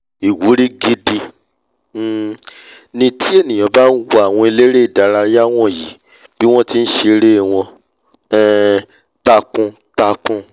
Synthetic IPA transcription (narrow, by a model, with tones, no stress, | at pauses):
i˨wu˨˦ɾi˦ɡi˦˧di˧˦ | nĩ˧ti˦e˦˨nĩ˨ã˨˧˦ba˦n̩˦wa˦a˨w̃ɔ̃˧i˧le˦ɾe˦i˨da˨˦ɾa˧ɾi˦a˦w̃ɔ̃˦˨ji˨˦ | bi˦w̃ɔ̃˦ti˦n̩˦ʃe˧ɾe˦˨w̃ɔ̃˧ | ɛ˦˨ | ta˧kũ˧ | ta˧kũ˧